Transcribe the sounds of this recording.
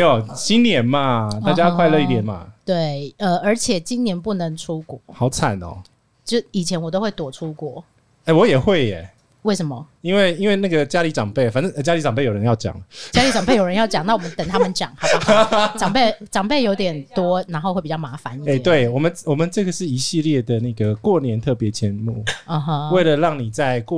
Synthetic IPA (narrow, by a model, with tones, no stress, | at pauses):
me˧˥jɔ˨˩ɕi˦nnjɛ˨˦nma˨t̪a˥˧t͡ɕja˦˧kʰwa˥˧ɪlə˥˧i˥t̪jɛ˨˩nma̰˦t̪we˥˩ɪə˧ə˞˧˥t͡ɕʰjɛ˨˩t͡ɕi˦nnjɛ˧˥npu˥˩nə˨˦ŋʈ͡ʂʰu˦kwɔ˨˩˦xɑ˨˥ʊt͡sʰa̰˨˩˦nɔ̰˨˩ | t͡ɕo˥˧i˨˩t͡ɕʰjɛ˧˥nwɔ˨˩t̪o˥ʊxwe˥˩ɪt̪wɔ˨˩ʈ͡ʂʰu˦kwɔ̰˥˩ | ɛ˥˩wɔ˨˦jɛ˨˩xwe˥˩ɪɛ̰˨˩ | we˥˩ʂə˧˦nmɐ˨˦ | i˦nwe˥˩ɪi˥nwe˥ɪna˥˩ɡə˨t͡ɕja˦˥li˧˥ʈ͡ʂɑ˨˩ŋpe˥˩ɪ˩fa˨˦nʈ͡ʂə˥˩˧t͡ɕja˥li˧˥ʈ͡ʂɑ˨ŋp̬e˥˩jo˨˩ɻə˧˦jɑ˥˩ʊt͡ɕjɑ̰˨˩˦ŋt͡ɕja˥li˧˥t͡sɑ˨˩ŋpe˥˩ɪjo˨˩ɻə˧˦jɑ˥˩ʊt͡ɕjɑ˨˩ŋna˥˩wɔ˨˩mə˦nt̪ə˨˩ŋt̪ʰa˥mə˨nt͡ɕjɑ̰˨˩ŋta˥ʈ͡ʂɑ˨˩ŋpe˥˩ʈ͡ʂɑ˨˩ŋpe˥˩ɪjo˧˥ʊt̪jɛ˨˩nt̪wɔ˥na˧˥nxo˥˧xwe˥˩pi˨˩t͡ɕɑ˥˩ma˧˥fa˨˦ni˨e˨˧˨t̪we˥˩ɪwɔ˨˩mə˦nwɔ˨˩mə˨˦nʈ͡ʂɤ˥˩ɡə˩ʂɻ̩˥˩i˧˥ɕi˥˧ljɛ˥˩d̪ə˩na˥˩ɡə˩kwɔ˥˨njɛ˧˦nt̪ʰɤ˥˩pjɛ˨˧˥t͡ɕʰjɛ˧˦nmṵ˨˩ə˧˩ɦə˦we˥˩ɪlə˨lɑ˥˩ŋni˨˩t͡sa˥˧ɪkw